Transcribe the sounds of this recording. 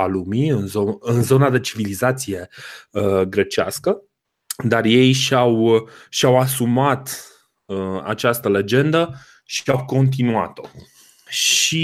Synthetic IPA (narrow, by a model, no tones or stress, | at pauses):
alumiɨnzoɨnzo̞nad̪e̞t͡ʃivilizat̪sije̞əɡɾe̞t͡ʃea̰skə | d̪arje̞jʃawʃiawasumat̪ | əa̰t͡ʃast̪əle̞d͡ʒe̞nd̪ə | ʃiawko̞nt̪̬inua̰t̪o | ʃi